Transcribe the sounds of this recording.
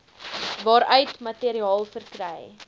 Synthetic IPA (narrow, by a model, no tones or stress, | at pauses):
vɑːɾœɥtmɐtiəɾiɑːlˠfərkɾɛj